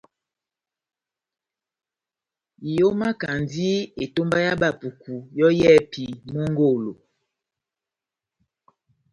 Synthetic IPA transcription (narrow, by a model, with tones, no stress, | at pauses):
i˨jo˦ma˦ka˨ndi˦e˨to˦mba˦ja˦ba˦˨pu˨ku˨jɔ˦jɛ˦pi˨mo˦ŋɡo˦˨lo˨